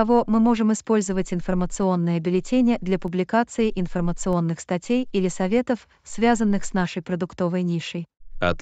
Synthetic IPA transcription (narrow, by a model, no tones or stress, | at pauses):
ɐvo̞mɨmo̞ʐɨmɪspo̞lʲzəvətʲɪnfərmət̪sɨo̞nːəjəɐbʲɪlʲɪtʲenʲɪjəd̪lʲɐpʊblʲɪkat̪sɨɪʔɪnfərmət̪sɨo̞nːɨxst̪ɐtʲejilʲɪsɐvʲet̪əf | svʲazənːɨxsnaʂəjpɾəd̪ʊkt̪o̞vəjnʲiʂəjɐ̰t̪